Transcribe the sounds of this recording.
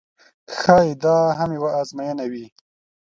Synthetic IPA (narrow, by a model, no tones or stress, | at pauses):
xɑjid̪ɑɦamjwaːzmajanawi